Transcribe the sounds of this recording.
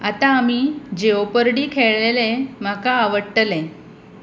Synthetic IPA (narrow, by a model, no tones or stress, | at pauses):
at̪aːm̤iːd͡ʑeopəɾɽiːkʰeɭlelem̤akaːʋəʈːəlẽ